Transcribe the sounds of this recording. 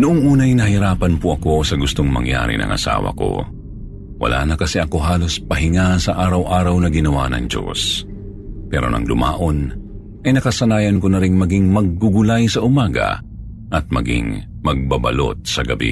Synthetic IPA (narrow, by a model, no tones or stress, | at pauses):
nʊʔoŋʔuːnɐjnɐhɪɾaːpɐnpʊʔɐko̞sɐɡʊst̪oŋmɐ̰ŋja̰ːɾɪ̰nɐ̰ŋʔɐ̰sa̰ːwɐ̰ko̞̰ | wɐ̰lʔa̰ːnɐkɐsɛʔɐko̞ɦaːlo̞spɐɦɪŋasɐʔaːɾɐwʔaːɾɐwnɐɡɪnɐwa̰nɐ̰ŋd͡ʒo̰s | pɛːɾo̰nɐ̰ŋd̪ʊma̰ːʔo̞n | ʔɐjnɐkɐsɐnaːjɐnkonɐɾɪŋmɐɡɪŋmɐɡ̚ːʊɡʊlajsɐʔʊmaːɡɐ̰ | ʔɐt̪̚mɐɡɪ̰ŋmɐɡ̚babɐ̰lo̞̰t̪̚sɐɡɐbḭ